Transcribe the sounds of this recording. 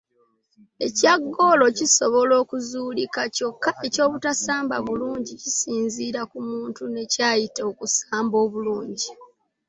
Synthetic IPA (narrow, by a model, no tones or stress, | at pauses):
e̞caɡːolo̞ciso̞βo̞lo̞ːkuzuːlikaco̞kːae̞co̞ːβutasaːmba̰βuluːɲɟicisiːnziːɾakumuːntune̞caːjitokusaːmbo̞ːβuluːɲɟi